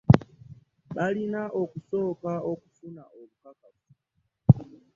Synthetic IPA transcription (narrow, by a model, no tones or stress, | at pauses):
ɓalinaʔɔkusɔkaɔku̥funaʔolukakatu̥